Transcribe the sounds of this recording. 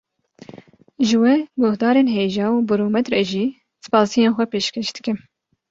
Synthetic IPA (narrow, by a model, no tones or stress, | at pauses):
ʒɨwɛɡʊhd̪ɑːɾeːnɦeːʒɑːuːbɨɾoːmɛt̪ɾɛʒiː | sɨ̥pɑːsijeːnxʷɛpeːʃkʰɛʃd̪ɨkɨm